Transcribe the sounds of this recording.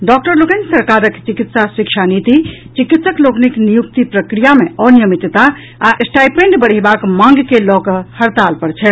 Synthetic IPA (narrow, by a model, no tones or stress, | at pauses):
ɖɔkʈəɾlokensəɾkaɾəkt͡ʃikit̪saswikʃʰanit̪it͡ʃikit̪səklokniknijuk̚t̪ipɾəkɾijameɔnijəmit̪t̪aː | ʔsʈajpẽɳɖbəɽ̤ɛbakmãŋɡkelɔkəhəɾt̪alpəɾt͡ʃʰɛ